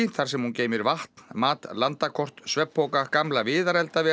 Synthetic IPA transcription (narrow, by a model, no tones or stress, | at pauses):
θaɾ̥sɛmhunceːjmɪɾvaht̪nmaːt̪lant̪akʰɔr̥t̪svɛpʰːowkakamlavɪːðaɾɛlt̪avɛ